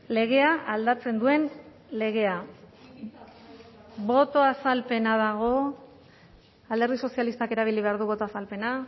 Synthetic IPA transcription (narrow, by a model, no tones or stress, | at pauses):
le̞ɣ̞e̞aald̪at͡se̞nd̪ue̞n | le̞ɣ̞e̞a | βo̞t̪o̞asalpe̞naðaɣ̞o̞ | ald̪eɾðiso̞sialist̪ake̞ɾaβ̞iliβ̞e̞aɾðuβ̞o̞t̪oasalpe̞na